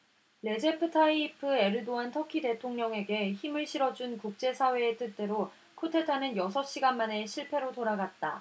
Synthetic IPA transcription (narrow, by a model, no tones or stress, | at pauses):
ɾe̞d͡ʑe̞pʰɯtʰaipʰɯe̞ɾɯdoantʰʌkʰide̞tʰoŋɲʌŋe̞ɡe̞çimɯɭɕʰiɾʌd͡ʑunkuk̚t͡ɕ͈e̞sʰawe̞ːt͈ɯt͈e̞ɾo | kʰotʰe̞tʰanɯnjʌsʰʌɕ͈iɡanmane̞ɕʰiɭpʰe̞ɾotoɾaɡat̚t͈a̰